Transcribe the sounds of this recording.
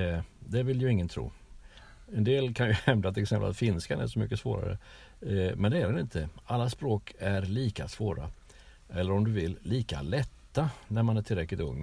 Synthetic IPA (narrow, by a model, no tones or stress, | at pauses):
d̪ɛvɪljɵɪŋːənt̪ʰɾṵː | ɛnd̪eːlkʰanjɵhɛmd̪at̪ʰɪlɛksɛmpə̰la̰t̪fɪnskanæ̰ʂɔmʏkːəsvo̰ːɾa̰ɾə̰ | mɛnd̪ɛæɾɛnɪnt̪ʰəalːaspɾoːkʰæɾliːkasvoːɾa̰ | ɛlːəɾɔmd̪ɵvɪlːiːka̰lɛt̪ːanæɾmanæʈʰɪlɾɛklɪt̪ɵ̰ŋː